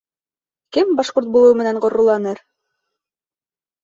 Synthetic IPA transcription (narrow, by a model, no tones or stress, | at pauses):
kɘmbɑʃqoɾt̪̚bulˠɤwmɘ̆næɴɢŏɾːŏlˠɑnɤɾ